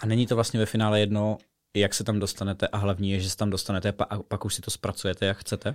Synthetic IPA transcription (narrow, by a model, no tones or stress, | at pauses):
ʔanɛɲiːt̪ovlast̪ɲɛvɛfɪnaːlɛjɛdno̞ | jaksɛt̪amdost̪anɛt̪ɛʔaɦlavɲiːjɛʒɛsɛ̥t̪amdo̞st̪anɛt̪ɛpaʔapakuʃsɪt̪ospɾat͡sujɛt̪ɛjakxt͡sɛt̪ɛ